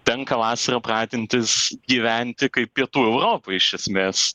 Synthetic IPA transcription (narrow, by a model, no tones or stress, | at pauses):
t̪ʲɛŋkɐʋɑːsɐɾɐprɑːd̪ʲɪnʲt̪ʲɪsɡʲiːʋʲænʲt̪ʲɪkɐɪp̚pʲiɛt̪uːɛʊɾoːpoɪʃʲɛsʲmʲeːs